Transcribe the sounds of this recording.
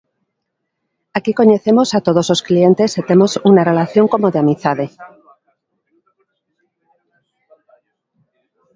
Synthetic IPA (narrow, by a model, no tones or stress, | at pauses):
akiko̞ɲe̞θe̞mo̞sat̪o̞ð̞ozlo̞sklie̞nt̪e̞set̪e̞mo̞sunare̞laθjo̞ŋko̞moðeamiθaðe̞